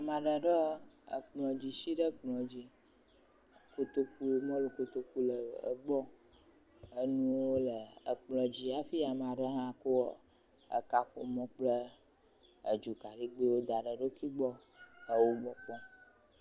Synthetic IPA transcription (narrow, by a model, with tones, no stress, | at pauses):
a˨mã˨ɖə˨ɖɔ˦ə̰˨k͡plɔ̃˨d͡ʑi˨ʃi˦ɖə˦k͡plɔ̃˨d͡ʑi˦ | ko˦t̪o˦ku˦mɔ̃˦lu˨ko˦t̪o˦ku˦lə˨ə̰˨ɡ͡bɔ˦ | ə˦nũ˦wwo˦lə˨ə˨k͡plɔ̃˨d͡ʑi˦a˨fi˦a˨mã˨ɖə˦ɦã˦ko˦˨ | ə̰˦˨ka˦ɸo˨mɔ̃˦k͡plə˦ | ə˨d͡ʒu˨ka˨ɖi˦ɡ͡be˦wo˦d̪a˨ɖə˨ɖo˦ki˦ɡ͡bɔ˦ | ə˨wo˦ɡ͡bɔ˨k͡pɔ̃˦